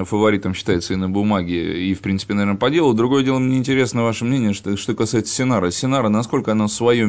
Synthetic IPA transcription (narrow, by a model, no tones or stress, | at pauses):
fəvɐɾʲit̪əmɕːɪ̥t̪ajɪt̪səɪnəbʊmaɡʲɪifpɾʲinsɨpʲɪnɐvʲenəpɐdʲe̞lˠʊd̪ɾʊɡojədʲelˠəmnʲeɪnʲtʲɪɾʲe̞snəvaʂəmnʲenʲɪjəʂt̪okɐsaɪt̪sə̥sʲɪnaɾəsʲɪnaɾənɐsko̞lʲkəɐnosvɐjo